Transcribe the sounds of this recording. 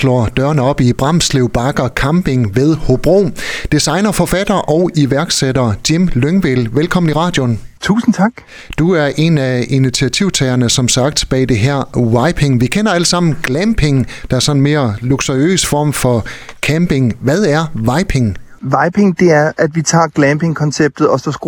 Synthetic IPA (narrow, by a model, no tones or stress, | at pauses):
slɒ̰d̥ɶɐnəɒ̽b̥ib̥ʁɑ̈m̰sleʊb̥ɑ̈ɡ̥ɐkʰɑmb̥e̝ŋʋeð̞ˠhob̥ʁo̰ːd̥isɑ̈ɪnɐfɒ̽fæd̥ɐʔɒ̽ʊiʋæɐɡ̥sedɐd̥imløŋʋelʋelkʰɒ̽mn̩iʁɑ̈ːd̥jo̝nt͡sʰṵːsn̩t͡sʰɑ̈ɡ̥ | d̥uæɐʔe̝næinit͡sʰiæt͡sʰiʊ̰t͡sʰɛːɐnəsɒ̽msɑ̈ɡ̥d̥b̥ɛ̰ːd̥e̝ɦæɐ̰wɑ̈ɪpʰe̝ŋʋikʰenɐæləsɑ̈m̰n̩ɡ̥læmb̥ʰe̝ŋd̥ɑ̈æɐsɒ̽nnme̝ːɐluɡ̥soiø̰ːsfɒ̰ːmfɒ̽ | kʰæmb̥e̝ŋʋæðˠæɐʋɑ̈ɪpʰe̝ŋ | ʋɑ̈ɪpʰeŋd̥e̝æɐʔæd̥ʋit͡sʰɑ̰̈ːɡ̥læmb̥eŋkʰɒ̽nseb̥̚d̥ð̩ˠɒ̽sɒsɡ̥